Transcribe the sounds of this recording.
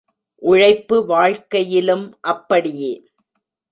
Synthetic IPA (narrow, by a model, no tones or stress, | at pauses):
ʔʊɻɐɪpːɯʋaːɻkɐjɪlɯmʔɐpːɐɽɪjeː